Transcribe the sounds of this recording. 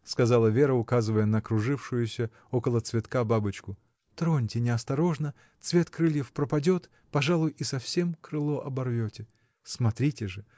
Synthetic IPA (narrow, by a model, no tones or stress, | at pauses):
skɐzalˠəvʲe̞ɾəʊkazɨvəjənəːkɾʊʐɨfʂʊjʊsʲə | okəlˠət̪svʲɪt̪kababɨt͡ɕkʊ | t̪ɾonʲtʲɪnʲɪɐst̪ɐɾo̞ʐnə | t̪svʲe̞t̪kɾɨlʲjɪfpɾəpɐdʲo̞t̪ | pɐʐalˠʊjisɐfsʲe̞mkɾɨlˠo̞ʔɐbɐrvʲotʲɪ | smɐt̪ɾʲitʲɪʐɨ